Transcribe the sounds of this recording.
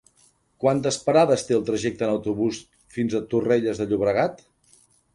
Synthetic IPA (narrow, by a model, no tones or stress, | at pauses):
kwant̪əspəɾaðəst̪eəlˠt̪ɾəʒek̚t̪əːnəwt̪uβus | finzət̪ureʎəzðəʎuβɾəɣat̪